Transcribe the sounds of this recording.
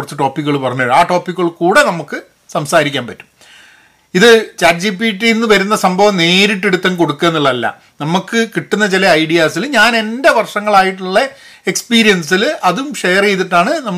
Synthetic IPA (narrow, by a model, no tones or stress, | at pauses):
rɐt͡ɕːɨʈo̞ːpːikːuɣɐɭupɐrɐɲːaːɻaːʈo̞ːpːikːɣɐɭkuːɽe̞nɐmukːɨ | sɐmsaːɾikʲːaːnpɐtːu̥m | iðɨt͡ɕaːrd͡ʑipːiʈːiinːɨʋɐɾunːɐsɐmbʱɐʋɐmne̞ːɾiʈːeɽut̪ːɐmko̞ɽukːeːnːiɭːɐɐlːɐ̰ | nɐmukːɨkiʈːunːɐt͡ɕilɐɐjɖijaːsilɲaːne̞nde̞ʋɐrʂɐŋːɐɭaːjiʈːuɭːɐ | ekspiːɾijɐns̬ilʔɐðumʂejɐre̞jt̪iʈːaːɳɨnɐm